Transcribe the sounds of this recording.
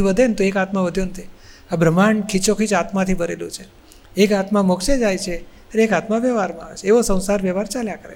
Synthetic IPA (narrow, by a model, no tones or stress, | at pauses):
iʋəd̪ʱent̪oekat̪mãʋəd̪ʱjõnt̪ʰiabʱɾəmaɳkʰit͡ʃokʰit͡ʃat̪mãt̪ʰibəɾelṵ̃t͡ʃʰe | ekat̪mãmokʃed͡ʒajt͡ʃʰe | əɾekat̪mãʋjɛʋaɾmãaʋet͡ʃʰeeʋosə̃w̃saɾʋjɛʋaɾt͡ʃaljãkəɾḛ